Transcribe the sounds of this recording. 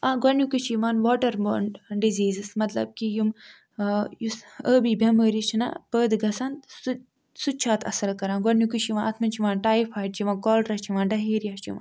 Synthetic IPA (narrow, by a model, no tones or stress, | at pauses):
aɡɐnjukɨt͡ʃʰiʋaːnʋoːʈɐɾmoːɳɖɖiziːzɨsmɐt̪lɐ̰b̚kijum | jusəːbibʱʲɐməːɾit͡ʃʰina̰pəːd̪ɨɡɐsɐnd̪s | sut͡ʃʰaːt̪ʰɐ̰sɐlkɐɾãːɡɐnjukɨt͡ʃʰiʋãːnɐt̪ʰmɐnt͡ʃʰiʋaːnʈaːifʰaːjʈ̚t͡ʃiʋãːnkoːlɾɐt͡ʃʰiʋaːnɖɐɦeːɾijɐt͡ʃʰḭʋa̰ːn